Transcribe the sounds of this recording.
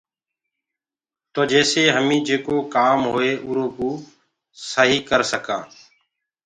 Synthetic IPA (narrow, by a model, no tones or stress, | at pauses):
t̪oːd͡ʒɛːseːɦəmĩːd͡ʒeːkoːkaːmɦoːeːʔʊːɾõːkuː | səɦiːkəɾsəkãː